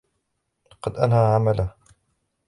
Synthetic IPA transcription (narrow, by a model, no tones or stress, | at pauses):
lɑqɑd̪ʔanhaʕamala